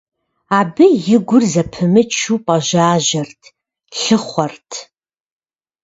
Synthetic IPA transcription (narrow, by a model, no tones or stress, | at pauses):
aːbɨjɪɡʷʊrzɐpʰɨmɨt͡ʃʰuːpʼaʒaːʒɐrtʰ | ɬɨχʷɔrtʰ